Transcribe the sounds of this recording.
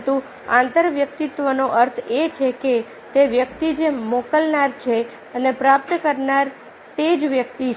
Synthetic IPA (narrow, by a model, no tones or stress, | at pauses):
t̪ũ | ãnt̪əɾʋjək̚t̪it̪ʋənoʔəɾt̪ʰet͡ʃʰeke | t̪eʋjək̚t̪id͡ʒemokəlnaɾt͡ʃʰe | ənepɾap̚t̪əkəɾnaɾ | t̪ed͡ʒʋjək̚t̪i